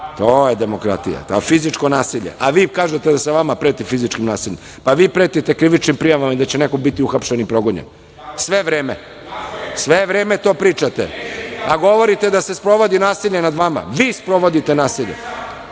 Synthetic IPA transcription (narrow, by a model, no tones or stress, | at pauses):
t̪oːjed̪emokɾa̰t̪ḭja̰t̪afizit͡ʃko̞naːsiʎḛʔaʋiːkaːʒet̪ed̪aseʋamapɾeːt̪ifizit͡ʃkimnaːsiʎḛm | paʋiːpɾeːt̪it̪ekɾiʋit͡ʃnimpɾijaʋamaid̪at͡ɕenekoɡ̚bit̪iuxapʃenipɾo̞ɡoɲḛn | sʋeʋɾeːmḛ | sʋeʋɾeːmet̪o̞ːpɾiːt͡ʃat̪ḛaɡo̞ʋo̞ɾit̪e̞d̪asespɾo̞ʋo̞d̪inaːsiʎenad̪ʋama̰ʋiːspɾo̞ʋo̞d̪it̪enaːsiʎḛ